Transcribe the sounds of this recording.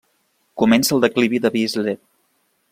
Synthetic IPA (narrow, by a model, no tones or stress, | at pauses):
kumɛnsəlˠd̪əkliβiðəβizlɛt̪̚